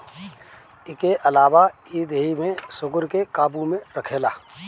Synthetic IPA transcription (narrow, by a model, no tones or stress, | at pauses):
ɪkeʔɐlaːwaiːd̪eːimẽsʊɡʊɾkekaːbumẽɾəkʰeːlaː